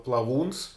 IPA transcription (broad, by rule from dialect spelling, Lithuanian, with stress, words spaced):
plˠɐˈʋuːns